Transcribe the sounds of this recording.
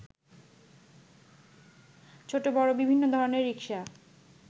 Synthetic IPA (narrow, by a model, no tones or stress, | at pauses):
t͡ɕʰoʈobɔɾobibʱinːod̪ʱɔɾoneɾːikʃa